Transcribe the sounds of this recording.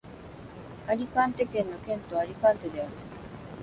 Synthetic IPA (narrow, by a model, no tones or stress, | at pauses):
alikant̪ekenokent̪oalikant̪ed̪eaɾ